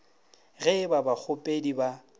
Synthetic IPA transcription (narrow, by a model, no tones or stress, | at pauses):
ɣɛbabak͡xʰʊpʼediba